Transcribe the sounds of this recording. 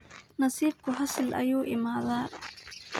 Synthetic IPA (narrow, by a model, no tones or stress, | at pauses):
nɐsiːb̚kʰʊɦɐsɪlʔɐ̰juːʔɪmaːðaː